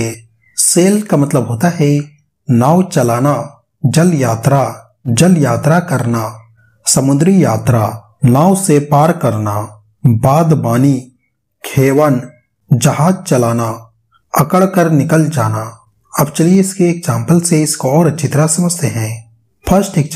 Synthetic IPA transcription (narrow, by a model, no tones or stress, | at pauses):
e | seːlkamɐt̪ləbɦoːt̪aɦɛ | naːwt͡ʃɐlaːna | d͡ʒəljaːt̪ɾa | d͡ʒəljaːt̪ɾakɐɾna | səmʊ̃nd̪ɾijaːt̪ɾa | naːwsepaːɾkəɾna | baːd̪baːni | kʰeːwən | d͡ʒɐɦaːd͡ʒt͡ʃɐlaːna | ɐkəɭkəɾnɪkəld͡ʒaːna | ɐbt͡ʃɐlieɪskeːksãːmpəlseɪskoɔːɾɐt͡ʃʰɪt̪ɾasɐməsəɦɛ̃ː | pʰəɾsʈɪkt͡ʃ